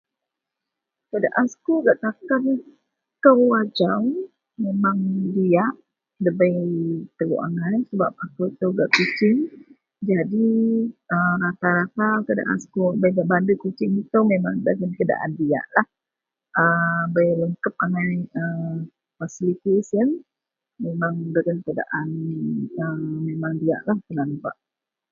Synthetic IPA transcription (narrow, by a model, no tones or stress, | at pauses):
kəda̰ʔaskuɡaʔt̪akan | kəwad͡ʒaw | memaŋdiaʔ | dəbəjt̪əɡṵʔa̰ŋajsəba̰p̚akuit̪əwɡaʔkut͡ʃɪŋ | d͡ʒadi | əmɾat̪aɾat̪akəda̰ʔa̰nsə̥kubəjɡaʔbandəkut͡ʃɪŋit̪umemaŋdəɡənkəda̰ʔa̰ndija̰ʔlah | əbəjləŋkəp̚aŋajə | fasilit̪esən | memaŋdəɡənkəda̰ʔanəmemaŋdia̰ʔlahkənanpa̰ʔ